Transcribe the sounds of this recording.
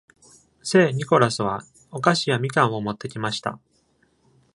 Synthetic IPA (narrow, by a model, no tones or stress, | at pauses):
se̞ːɲ̟iko̞ɾasɨβ̞a | okaɕijamʲikãɰ̃o̞mo̞t̪ːe̞kʲimaɕi̥t̪a̰